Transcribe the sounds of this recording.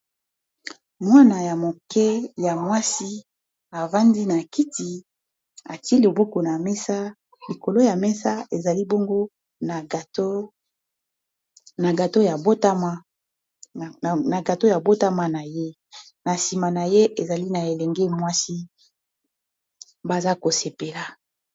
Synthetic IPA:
mwa˦na˨ja˨mo˨kɛ˦ja˨mwa˦si˦ | a˨va˦ndi˦na˨ki˦ti˨ | a˨ti˦i˦li˨bo˦ko˨na˨mɛ˦sa˦ | li˨ko˨lo˦ja˨mɛ˦sa˦e˨za˨li˦bo˦ŋɡo˦ | na˨to˦ | na˨ɡa˨to˦ja˨bo˦ta˦ma˦˨ | na˨ɡa˨to˦ja˨bo˦ta˦ma˦na˨je˦ | na˨si˨ma˨na˨je˦ʔe˨za˨li˦na˨e˨lɛ˨ŋɡɛ˦mwa˦si˦ | ba˦za˦ko˨se˨pe˨la˨

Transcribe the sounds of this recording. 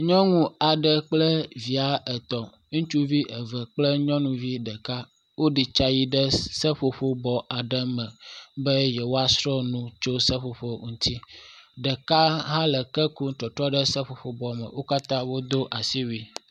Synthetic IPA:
ɲɔ̃˦ŋũ˦a˨ɖɛ˨k͡plɛ˦vi˨a˨ɛ˨t̪ɔ˨ | ŋũ˦t͡ʃu˦vi˦ʔɛ˨vɛ˨k͡plɛ˦ɲɔ̃˦nũ˨vi˦ɖɛ˨ka˦ | wo˦ɖi˨t͡ʃa˦ji˦ɖɛ˦sɛ˦ɸo˨ɸo˦bɔ˨a˨ɖɛ˦mɛ̃˨bɛ˦jɛ˨wo˦a˦sɾɔ˦nũ˦t͡ʃo˦sɛ˦ɸo˨ɸo˦ŋũ˦t̪ʰi˦ɖɛ˨ka˦ɦã˦lɛ˨kɛ˦ku˦t̪ɔ˨t̪ɾɔ˦ɖɛ˦sɛ˦ɸo˨ɸo˨bɔ˨mɛ̰̃˨wo˦ka˦t̪ã˦wo˦d̪o˦ʔa˨si˦wi˨

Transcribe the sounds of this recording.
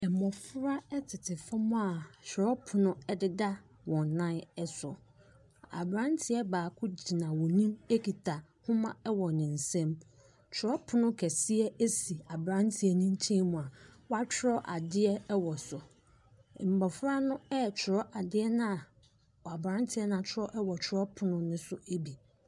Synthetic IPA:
ɛ˨m̩˨mɔ˨fʊ˦ɾa˦ɛ˦tʰɪ˨tʰɪ˨fa˦mʊ̃˦a˨t͡ɕʰᶣʊ˨ɾɔ˦pʰʊ˨nʊ̃˦ɛ˦dɪ˦da˦ | wɔ̃˨n˨nã˦ɛ˦sʊ˨ | a̰˨bɾã˦n˦tʰɪ˨˦ɛ˦baː˨kʰʊ˦d͡ʑi˨nã˨wɔ̃˨nĩ˦me˦kʰi˨tʰa˨ | hʊ̃˦mã̰˦ɛ˦wɔ˨nɪ̃˨n̩˨sɛ̃˦m | t͡ɕʰʊ˨ɾɔ˦pʰʊ˨nʊ̃˦kʰɛ˨sɪ˦ɛ˦e˦si˨a˨bɾã˦ntʰɪ˨ɛ˨nĩ˦n˦t͡ɕʰĩ˦mũ˨a˨wa˦t͡ɕʰᶣɪ˦ɾɔ˦ʔa˨dɪ˦ɛ˦wɔ˨sʊ˨ | m̩˨bɔ˨fɾa˦nʊ̃˦ɛ˦˨t͡ɕʰʊ˨ɾɔ˦ʔa˨dɪ˦ɛ˦nã˦˨ | ɔ˨a˨bɾã˦n˦tʰɪ˨˦ɛ˦nã˨t͡ɕʰɪ˦ɾɔ˦ʔɛ˦wɔ˨t͡ɕʰʊ˦ɾɔ˦pʰʊ˨nʊ̃˦nʊ̃˦sʊ˦e˦bi˨

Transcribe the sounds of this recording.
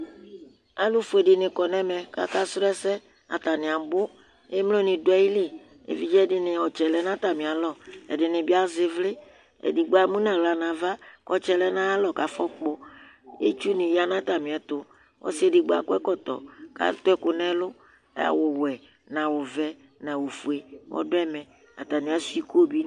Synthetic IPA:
a˦lu˦fe˨dɪ˨nɪ̃˨kɔ˨nɛ̃˦mɛ̃˨ka̰˦ka˦sɾɛ˦sɛ˦ | a̰˨t̪a˨nɪ̃˨a˨m˨bo˦ | e˦m˦lo˦nĩ˨do˨˦ɛ˦ji˦le˦˨ | ḛ˨vi˦d͡ʒɛ˦dɪ˨nɪ̃˨ɔ˨t͡ʃɛ˨lɛ˨˦nã˦t̪a˨mĩ˨a˨lɔ˦˨ɛ̰˨dɪ˨nɪ̃˨bi˦a˦zɪ˨vlɪ˦ | ḛ˨di˨ɡ͡ba˨mũ˦nã˨wla˨nã˨va˦kɔ˦t͡ʃɛ˦lɛ˦nã˦a˦lɔ˨ka˨fɔ˦k͡pɔ˦ | ḛ˦t͡ʃu˦nɪ̃˨ja˦nã˦t̪a˨mĩ˨ɛ˨t̪ʊ˨ | wʔɔ̰˦si˦e˨di˨ɡ͡ba̰˨kʊ˦ɛ˦kɔ˦t̪ɔ̰˨ka̰˨t̪o˦ɛ˦kʊ˨nɛ̃˦lʊ̰˦ | a̰˨wo˨wɛ˨ | nã˨wo˨vɛ˦ | nã˨wo˨fu˨e˨wʔɔ̰˦do˦ɛ˦mɛ̃˨ | a̰˨t̪a˨nĩ˨ã˨˦su˦i˦ko˦bi˦

